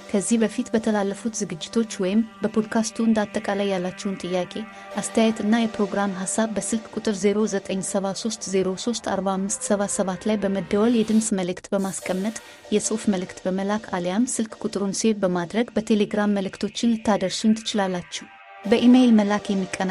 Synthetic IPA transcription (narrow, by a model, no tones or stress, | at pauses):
kʰəzːihbəfit̪bət̪ʰəlalːəfut̪zɨɡɨd͡ʒːɪt̪ʰo̞t͡ʃːwɔjɪmbəpʰo̞d̪kʰast̪ʰuɨnd̪at̪ʼːəkʼalajːalːat͡ʃːɛwʊnt̪ʼɨjːakʼe̞ | ʔast̪ʰəjajɛt̪ɨnːajɛpɾo̞ɡɾamɦasːaβbəsɨlkʼkʼʊt̪ʼɨɾze̞ɾo̞zət̪ʼəɲːsəβaso̞st̪zeɾo̞so̞st̪ʰa̰ɾbahamːɨst̪səβasəβat̪lajbəməd̪ːəwəljɛd̪ɨmsməlɨkt̪bəmaskʼəmːət̪ʼ | jɛsʼɨfməlɨkt̪bəməlakʰaljamsɨlkʼkʼʊt̪ʼɨɾunsihet̪bəmad̪ɾəɡbət̪ʰe̞le̞ɡɾamːəlɨkt̪ʰo̞t͡ʃːɪnlɨt̪ːad̪əɾsunt̪ʰɨ̥t͡ʃɪlalːat͡ʃːɛw | bəʔimelməlakjɛmːikʼːən